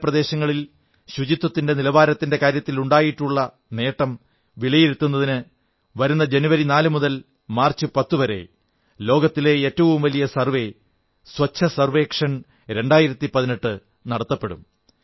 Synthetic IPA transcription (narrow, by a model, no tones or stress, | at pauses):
prɐd̪e̞ːɕɐŋːɐɭil | ɕud͡ʑit̪ːwɐt̪ːinde̞nilɐʋaːɾɐt̪ːinde̞kaːɾjɐt̪ːiluɳɖaːjiʈːuɭːɐ | ne̞ːʈːɐm | ʋiɭɐjiɾut̪ːun̪ːɐðinɨ | ʋɐɾunːɐd͡ʑenuʋɐɾinaːlɨmuðɐl | maːrt͡ɕːɨpɐt̪ːuʋɐɾe̞̰ | lo̞ːɡɐt̪ːile̞eːtːɐʋumʋɐlijɐsɐrʋe̞ | sʋɐt͡ɕʰːɐsɐrʋe̞ːkʂɐn | ɾe̞ɳɖaːjiɾɐt̪ːipɐðineʈːɨ | nɐɽɐt̪ːɐpːe̞ɽṵm